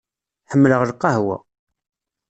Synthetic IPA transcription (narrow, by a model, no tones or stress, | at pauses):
ħəmːləʁlqːɑɦwæ̰